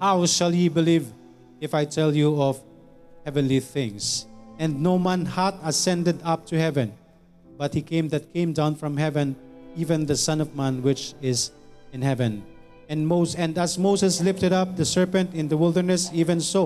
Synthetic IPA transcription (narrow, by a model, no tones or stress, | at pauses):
haʊʃəlˠjibɨliv | ɪfaɪtʰɛlˠjuɔv̥ | hɛvɨ̃nliθɪ̃ŋsɛ̃nnoʊmɛ̃nhatəsɛ̃ndɨdʌp̚tʰuhɛvɨ̃n | bʌt̚hikʰẽɪ̃mðɨt̚kʰẽɪ̃mdãʊ̃nfɹʌ̃mhɛvɨ̃nivɨ̃nðɨsʌ̃nʌvmæ̃nwɪt͡ʃɪz | ɨ̃nhɛvɨ̃n | ɨ̃nmozɛ̃nɨzmoʊzɨslɪftɨɾʌp̚ðɨsɜ˞pɨ̃ntɪ̃nðəwɪlˠdə˞nɨsivɨ̃nso